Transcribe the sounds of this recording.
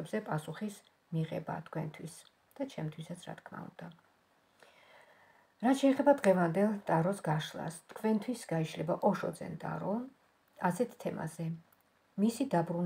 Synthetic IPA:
ɛbzɛpʼasuχis | miʁɛ̰ba̰t̪ʰkʰwɛnt̪ʰwis | d̪̥at͡ʃʰɛmt̪ʰwisat̪sʰɾa̰t̪̚ʰkʰma̰ṵnd̪a | ɾat̪ʃɛːχɛbad̪ʁɛvand̪ɛlˠt̪ʼaɾɔsɡaʃlˠa̰st̪kʰvɛnt̪ʰwisɡaiʃlɛbaʔɔʃɔd̪zɛ̰nt̪ʼa̰ɾɔ | asɛt̪ʰt̪ʰɛma̰zɛ | misid̪abɾun

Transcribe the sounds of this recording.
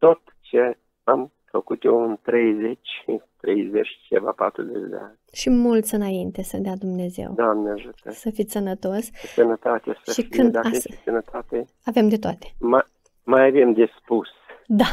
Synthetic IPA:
t̪o̞t̪t͡ʃe | am | fəkut̪jewɨnt̪ɾe̞jzet͡ʃʲt̪ɾejzet͡ʃʲt͡ʃeva̰pat̪ɾṵzḛt͡ʃd̪ḛanʲʃimult̪sʲɨnaint̪e̞səd̪ead̪umne̞zḛwd̪oamneaʒut̪əsəfisənət̪o̞ssənət̪at̪esəʃifkiɨndd̪aesənət̪at̪e | ave̞md̪e̞t̪oat̪e̥ma | majavemd̪espusd̪a

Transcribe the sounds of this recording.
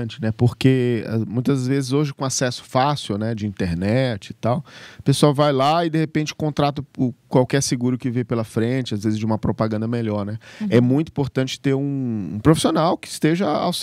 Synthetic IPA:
t͡ʃɪnɛpoɾkeɐmũj̃t̪ɐzvezɪzoʒɪkõasɛsʊ̥fasiwnɛd͡ʒɪĩnt̪eɾnɛt͡ʃɪɪt̪awpesuawvajlaɪd̪ehepẽnt͡ʃɪ̥kõt̪ɾat̪ɐkwawkɛɾsɪɡuɾʊkɪvẽjpelɐfɾẽt͡ʃɪazvezɪzd͡ʒɪũmɐpɾopaɡɐ̃nd̪ɐmeʎɔɾnɛɛmũj̃t̪ʊuĩpoɾt̪ɐ̃nt͡ʃɪ̥t̪eɾũːpɾofi̥sionawkɪːst̪eʒɐa̰ws

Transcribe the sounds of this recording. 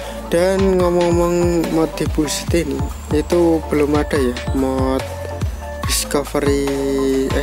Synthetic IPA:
ɖ̥anŋɔmɔmɔŋmɔt̪̚d̪̥i̤pusi̥t̪ini | it̪ub̥əlʊmaɖ̥a̤jamɔt̪̚ | d̥iskɔfɾi

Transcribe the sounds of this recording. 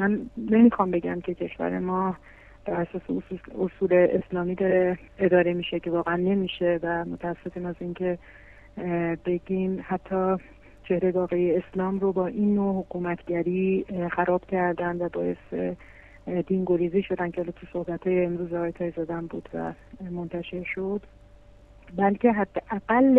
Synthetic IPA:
mænːe̞miːxɒmbe̞ɟæ̰mcʰe̞cʰe̞ʃvæ̰ɾḛmɒː | b̥æɾæsɒːseosuːleʔeslɒːmiːd̪ɒːɾe | ed̪ɒːɾe̞miːʃece̞vɒːɣeænːe̞miːʃe̞væmo̞t̪ʰææsːe̞fiːmæziːncʰe̞ | be̞ɟimhæt̪ʰːɒː | t͡ʃʰe̞hɾeɡɒːɣejeeslɒːmɾobɒːʔinːohokʰuːmæt̪ʰɟæɾiːxæɾɒːb̥cʰæɾd̪ænd̪væbɒːje̞se | d̪iːnɡo̞ɾiːziːʃo̞d̪æncʰeɒːlɒːt̪ʰuso̞hbæt̪hɒːjeːmɾuːzɛɣɒːjet̪ʰɒːjzɒːd̪æmbṵːd̪væ̰mo̞nt̪ʰæʃe̞ɾʃo̞d̪̥ | bælcʰe̞ɦæd̪ːeʔæɡælː

